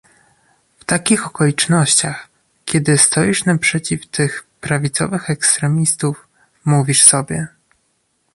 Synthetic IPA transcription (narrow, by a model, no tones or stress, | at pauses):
ft̪akʲixɔkɔlʲit͡ʂnɔɕt͡ɕax | kʲɛd̪ɘst̪ɔjiʂnapʂɛt͡ɕift̪ʰɘxpɾavʲit̪sɔ̰vɘxɛkst̪ɾɛmʲist̪uf | muvʲiʂsɔbʲjɛ